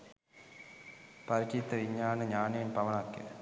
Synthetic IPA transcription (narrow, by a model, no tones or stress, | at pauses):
pɐɾit͡ʃit̪ːɐʋiɲːaːnɨɲaːneːnpɐʋɐɳakːḛ